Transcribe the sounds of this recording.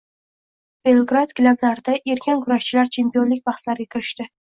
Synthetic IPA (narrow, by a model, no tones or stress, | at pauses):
b̥e̞lˠɡɾat̪ɡʲlablaɾd̪aʔe̞ɾkʲʰankʰʊɾaʃt͡ʃʰɪlaɾt͡ʃʰe̞mpijɒnlɪkʲbɑχslaɾɡʲakʲʰɪɾɪʃt̪ɪ